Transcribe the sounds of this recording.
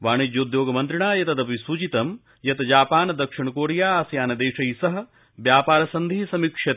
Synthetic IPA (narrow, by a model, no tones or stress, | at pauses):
ʋaːɳ̃id͡ʒɐod̪joːɡɐmɐnt̪ɾiɳaːjɐt̪ɐd̪ɐpisuːt͡ʃit̪ɐm | jɐt̪d͡ʒaːpaːnɐd̪ɐkʂiɳɐkoːɾijaːaːsjaːnɐd̪eːʂɐjsɐɦɐ̆ | ʋjaːpaːɾɐsɐnd̪ʱiːsɐmikʂɐt̪